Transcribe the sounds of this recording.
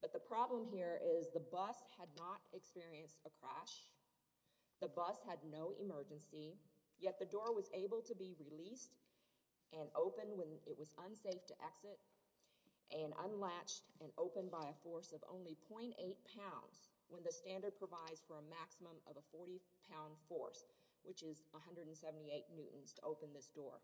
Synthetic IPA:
b̥ʌt̪̚ðəpʰɹ̥ɑblə̃mɦiɹɪzðəbʌshɨdⁿnəɾɨkspɪɹiɨ̃nstəkʰɹ̥æʃ | ðɨbʌshɨdⁿnoʊʔɪ̰mɜ˞d͡ʒɨ̃nsi | jɛt̪̚ðɨdɔɹwʌzeɪbl̩ˠtʰɨbiɹilist | ʔɨ̃noʊpɨ̃nwə̃nɪʔ̚wʌzə̃nseɪftʰɨʔɛksɨɾ | ʔɨ̃nʔə̰̃nlæt͡ʃtɨ̃noʊpɨ̃nbaɪɨfɔɹsʌvõ̰ʊ̃nlipʰɔ̃ɪ̃nteɪt̚pʰãʊ̃ndz̥ | wə̃nðɨstæ̃ndə˞d̚pʰɹ̥əvaɪdz̥fə˞ɨmæksəmə̃mʌ̰vəfɔɹɾipʰãʊ̃nd̥fɔ̰ɹs | wɨt͡ʃɪzəɦʌ̃ndɹɨdn̩sɛvn̩tieɪʔⁿnʉʔn̩z̥tʰəʔoʊpɨ̃nðɪsd̥ɔ̰ɹ

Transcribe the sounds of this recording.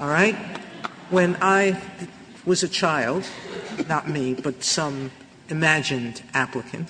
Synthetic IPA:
ɔlˠɹaɪt̚ | wɨ̃naɪ | wʌzɨt͡ʃʰaɪlˠd̚nət̚mib̥ʌtsʌ̃m | ɨmæd͡ʒɨ̃ndæpləkʰɨ̰̃nt

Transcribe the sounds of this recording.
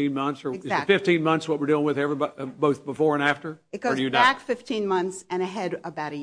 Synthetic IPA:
ĩnmʌ̃nθsə˞ɡɨzðɨfɪftĩnmʌ̃nθswʌt̚wəɹdilˠɪ̃ŋwɨðɛvɹibboʊθb̥əfɔɹɨ̃næftə˞ɨt̚ɡ̥ɨjɨnækfɪftʰĩnmʌ̃nθsɨ̃ñɨɦɛɾəbaʊɾɨ

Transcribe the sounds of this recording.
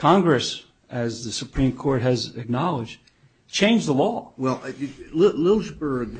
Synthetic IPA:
kʰɑ̃ŋɡɹɨs | ɨzðɨsɨpʰɹ̥ĩmkʰɔɹt̚ɦɨzɨk̚nɑlˠəd͡ʒd | t͡ʃʰẽɪ̃nd͡ʒðəlɔwɛlˠlɪlɪlˠzbə˞ɡ

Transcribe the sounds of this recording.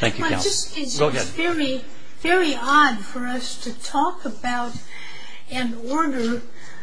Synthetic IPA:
θæ̃ŋkj̰d͡ʒʌs | ɪɡoʊɛvɛɹi | vɛɹiɑdfə˞ʌstʰɨtʰɔkəbaʊɾ | ɨ̃n | ɔɹɾə˞

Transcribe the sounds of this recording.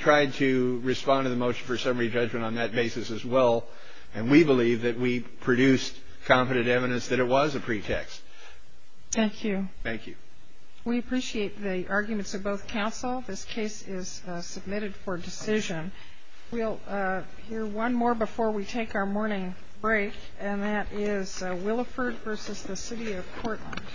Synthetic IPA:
tʰɹ̥aɪd̚tʰɨɹɨspɑ̃ntɨðɨmoʊʃn̩fə˞sʌ̃mə˞id͡ʒʌd͡ʒmɨ̃ñn̩ðɨt̚b̥eɪsɨsɨzwɛlˠ | ɨ̃nwibəlivðɨt̚wi | pʰɹ̥ɨdʉs | kʰɑ̃mpɨɾɨ̃nɾɛvɨɾɨ̃nsðɨɾɨt̚wʌzɨpʰɹ̥itʰɛ̰kst̚ | θæ̃ŋkʰjʉθæ̃ŋkʰjʉ | wiɨpʰɹ̥iʃieɪt̪̚ðiʔɑɹɡjmɨ̃ntsʌvboʊθkʰãʊ̃nsl̩ˠðɪskʰeɪsɪz̥ | sɨb̚mɪɾɨd̥fə˞dɨsɪʒɨ̃n | wilˠ | hiɹwʌ̃nmɔɹbəfɔɹwitʰeɪkaʊə˞mɔɹnɪ̃ŋ | b̥ɹeɪk | ɨ̃nðɨɾɪz̥wɪlˠəfə˞dvɜ˞sɨzðɨsɪɾiʌv̥kʰɔɹʔˡlə̰̃nd̥

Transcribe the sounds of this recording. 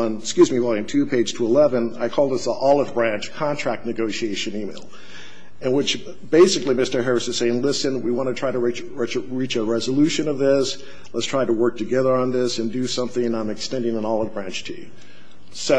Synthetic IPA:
nskjʉzmiwɛlˠɨ̃ntʰʉpʰeɪd̥ʒ̥tʰəəlɛvɨ̃na̰ɪkʰɔlˠd̪ɨsiʔɔlˠəvbɹæ̃nt͡ʃkʰɑ̃ntʰɹ̥æk̚tⁿnɨɡoʊʃieɪʃɨ̃nimeɪlˠ | ɨ̃nwət͡ʃ | b̥eɪsɨklimɪstə˞ɦɛ˞ɨsɨz̥seɪɪ̃ŋlɪsɨ̃nwiwɑ̃ñɨtʰɹ̥aɪɾɨi | ɹɛt͡ʃəɹit͡ʃɨɹɛzəlʉʃɨ̃nʌvðɪs | lətstʰɹ̥aɪɾəwɜ˞k̚tʰɨɡɛðə˞ə̃nðɪsɨ̃ndɨsʌ̃mθɪ̃ŋãɪ̃mɨkstɛ̃ndɪ̃ŋə̃nɔlˠəvbɹæ̃nt͡ʃtʰʉ̰ | so

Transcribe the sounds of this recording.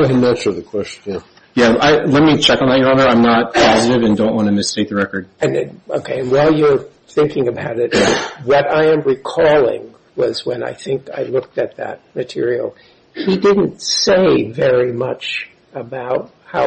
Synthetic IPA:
ɨɨmɛt͡ʃʌvðɨkʰw̥ɛʃtɨ | jæaɪlɛt̚mit͡ʃʰɛkn̩ðæt̚jə˞ɑ̃nə˞ãɪ̃mnət̚pʰɑzɨɾɨvɨ̃ndõʊ̃nʔwɑ̃ñɨmɨstʰeɪk̚ðəɹɛkə˞d̥̚ɨ̃no̰ʊkʰeɪɨ̃nwaɪlˠjə˞ | θɪ̃ŋkɪ̃ŋɨbaʊɾɪt̚wʌɾaɪɨ̃mɹikʰɔlˠɪ̰̃ŋ | wʌzwə̃na̰ɪθɪ̃ŋka̰ɪlʊk̚tɨt̪̚ðɨ̰t̚mɨtʰɪ̰ɹil̩ˠ | hidɪdⁿn̩tseɪvɛɹimʌt͡ʃ | əbaʊt̚haʊ

